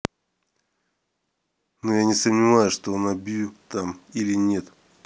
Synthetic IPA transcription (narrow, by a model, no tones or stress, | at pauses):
nojanʲɪsəmnʲɪvajʊʂt̪oonɐbʲjut̪amilʲɪnʲe̞t̪